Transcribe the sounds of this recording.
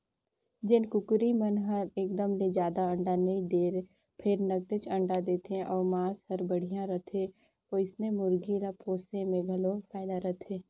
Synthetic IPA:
d͡ʒɪnkʊkɾimɐnɦɐɾeːkd̪əmled͡ʒjaːd̪aə̃ɳɖanɐĩd̪eːɾe | pʰɪɾnɐɡ̚t̪ɪt͡ʃɐ̃ɳɖad̪eːt̪eɦɛ̃ʔɔːɾmãːshɐɾbɐɽ̤ijãɾɐt̪ʰe | oːɪsnemʊɾɡiɾapoːsemẽɡʱɐlofʰaːɪd̪aɾɐt̪ʰeː

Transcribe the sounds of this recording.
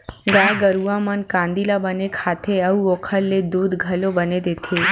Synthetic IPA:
ɡaɡəɾuʋamənkãnd̪ilabənekʰat̪ʰeəuokʰəlːed̪ud̪ɡʱəlobəned̪et̪ʰe

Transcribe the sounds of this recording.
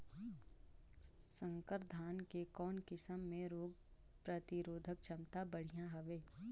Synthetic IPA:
sə̃ŋkəɾd̪ʱaːnkekɔːnkɪsəmːẽɾoːɡ̚ | pɾət̪ɪɾoːd̪ʱək̚t͡ʃʰɐmt̪abɐɽ̤ijãɦɐʋeː

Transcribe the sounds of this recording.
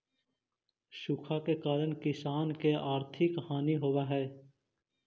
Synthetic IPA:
ʃʊkʰaːkeːkaːɾəɳkɪsaːnkeʔaːɾt̪ʰɪkhaːniɦoːʋaːɦɛː

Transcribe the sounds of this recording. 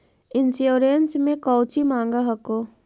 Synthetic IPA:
ɪnsjoːɾensmẽkɔːt͡ʃimãːŋɡaɦɐkoː

